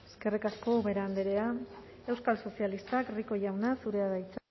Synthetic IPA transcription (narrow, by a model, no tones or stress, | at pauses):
eske̞rikasko̞βe̞ɾand̪eɾe̞a | e̞wskalso̞sialist̪akriko̞ʝawnasuɾe̞aðajt͡s